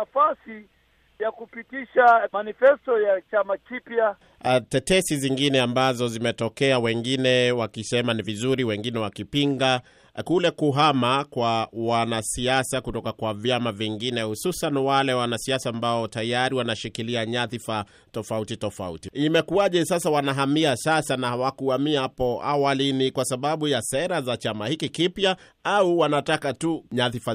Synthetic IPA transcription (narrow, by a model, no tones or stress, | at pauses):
afasi | jakupitiʃamanifɛstɔjat͡ʃamakipja | tɛtɛsiziŋɡinɛambazɔzimɛtɔkɛawɛŋɡinɛwakisɛmanivizuɾiwɛŋɡinɛwakipiŋɡa | kulɛkuɦamakwawanasiasakutɔkakwavjamaviŋɡinɛhususanwalɛwanasiasaːmbaɔtajaɾiwanaʃikiliaɲaθifa | tɔfautitɔfa̰ṵtiimɛkuaʄɛsasawanaɦamiasasanaawakuamihapɔa̰walinikwasaɓaɓujasɛɾazat͡ʃamahikikipja | auwanatakatuɲaθifa